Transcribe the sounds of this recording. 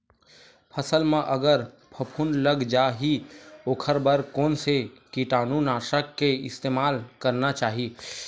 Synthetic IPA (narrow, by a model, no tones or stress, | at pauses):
pʰəsəlmẽʔəɡəɾ | pʰəpʰuːnləɡd͡ʒaɦioːkʰəɾbəɾkoːnsekiʈaːnunaːsəkːeɪst̪emaːlkəɾnat͡ʃaːɦi